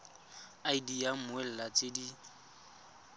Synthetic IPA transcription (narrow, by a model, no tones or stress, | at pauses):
aidiamʊɛl̩lat͡sʼedi